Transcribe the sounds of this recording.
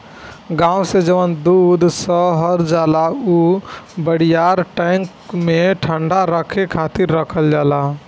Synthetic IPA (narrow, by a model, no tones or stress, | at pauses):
ɡãːwsed͡ʒəʋənd̪ud̪ʱsɔɦəɾd͡ʒaːlaubəɽijaːɾʈɛ̃ŋkmẽʈʰəɳɖaɾəkʰekʰaːt̪ɪɾːəkʰəld͡ʒaːla